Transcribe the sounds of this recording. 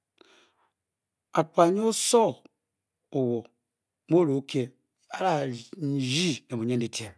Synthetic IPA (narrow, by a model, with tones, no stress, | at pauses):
a˨k͡pa˨ɲ˦o˦so˦ | o˨wo˨ | mo˦ɾo˨˦kʰe˦ | a˦ɾa˦˨d͡ʒi˦ne˨mo˨ɲe˦n˦i˨tʰe˨